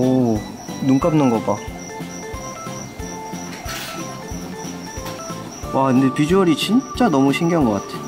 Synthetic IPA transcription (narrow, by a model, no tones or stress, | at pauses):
o | nuŋk͈ap̚nɯnɡʌba | waɯndepid͡ʑuʌɾit͡ɕint͡ɕ͈anʌmuɕʰiŋɡjʌnɡʌk͈atʰe